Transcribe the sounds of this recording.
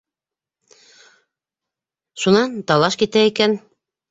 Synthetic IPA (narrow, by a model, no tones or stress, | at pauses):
ʃunɑnt̪ɑlˠɑʃkit̪æikæn